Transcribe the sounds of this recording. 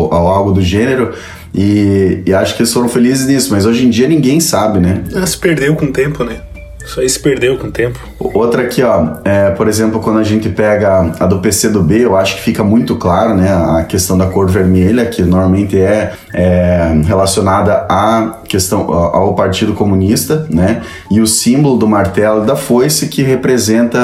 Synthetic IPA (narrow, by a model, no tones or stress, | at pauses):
awawɡʊd̪ʊʒẽneɾʊ | ɪːaʃʊ̥kɪelɪsfoɾɐ̃w̃felizɪznisʊmazoʒẽd͡ʒiɐnĩɡẽj̃sabɪnɛɛɐsɪ̥peɾd̪ewkõt̪ẽmpʊnɛ | saisɪ̥peɾd̪ewkõt̪ẽmpʊot̪ɾɐkiɔɛpoɾezẽmplʊkwɐ̃nd̪ʊɐʒẽnt̪ɪpɛɡɐɐd̪ʊpesed̪ʊbeewaʃʊ̥kɪ̥fikɐmũj̃t̪ʊklaɾʊnɛɐkest̪ɐ̃w̃d̪ɐakoɾt̪ɪveɾmeʎɐkʰɪnoɾmawmẽnt̪ɪɛ | ɛɦelasjonad̪ɐakest̪ɐ̃w̃aʔawpaɾt͡ʃid̪ʊkomũnist̪ɐnɛ | ɪʊsĩmbolʊd̪ʊmaɾt̪ɛlʊd̪ɐfojsɪkɪɦepɾezẽnt̪ɐ